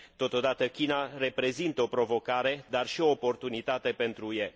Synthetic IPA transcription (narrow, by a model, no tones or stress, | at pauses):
t̪o̞t̪o̞d̪at̪əkʲinare̞pɾe̞zint̪əo̞pɾo̞vo̞kaɾe̞d̪arʃio̞ːpo̞rt̪unit̪at̪e̞pe̞nt̪ɾuje